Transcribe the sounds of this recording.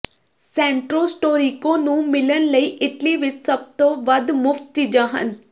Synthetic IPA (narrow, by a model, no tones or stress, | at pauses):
sɛ̃ːɳʈɾoːsʈoːɾiːkõːnũːmɪlənləiːʔɪʈliːʋɪt͡ʃsəb̚t̪õːʋəd̪mʊft̪̚t͡ʃid͡ʒãːɦə̰n